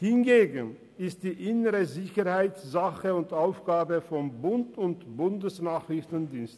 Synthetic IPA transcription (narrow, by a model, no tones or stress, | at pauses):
hɪnɡeːɡn̩ | ɪst̚d̥iːʔɪnəʁəzɪçəʁhaɪtz̥aχəʊntʔaʊfɡ̥aːbəfɔnbʊntʊntb̥ʊndəsnaːχʁɪçtn̩diːnst